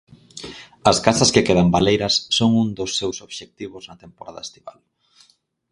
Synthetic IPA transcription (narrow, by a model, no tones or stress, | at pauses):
ɐskasɐskekeðɐmbalejɾɐsːoŋuŋd̪osːewsoβ̥ʃek̚t̪iβoznɐt̪empoɾʔa̰ðɐ̰est̪iβa̰l